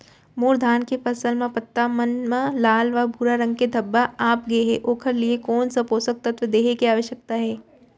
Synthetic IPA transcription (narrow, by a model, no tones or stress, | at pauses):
moːɾd̪ʱaːnkepɐsəlmẽpɐt̪ːamənmãlaːlʋabʱuːɾaɾɐ̃ŋɡ̚ked̪ʱɐbːaaːpɡeɦɛ̰ʔoːkʰəɾliekɔːnsɐpoːsək̚t̪ɐt̪ʋəd̪eːɦekeaːʋəʃjək̚t̪aɦɛː